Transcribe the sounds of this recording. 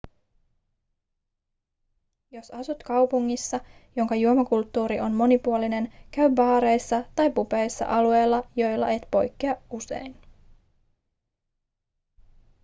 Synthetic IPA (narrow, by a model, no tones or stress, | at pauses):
jo̞sɑsut̪kɑwpuŋːisːɑjo̞ŋkɑjuomɑkult̪ːuːɾiʔo̞nmo̞nipuoline̞nkæɥbɑːɾe̞jsːɑt̪ɑjpupe̞jsːɑ̰ʔɑlue̞jlːɑjo̞jlːɑ̰e̞t̪po̞jkːeɑuse̞̰jn